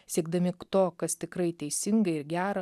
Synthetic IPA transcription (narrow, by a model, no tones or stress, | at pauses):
sʲiɛɡ̚d̪ɐmʲɪt̪oːkɐst̪ʲɪkɾɐɪt̪ʲɛɪsʲɪŋɡɐɪɾɡʲæːɾɐ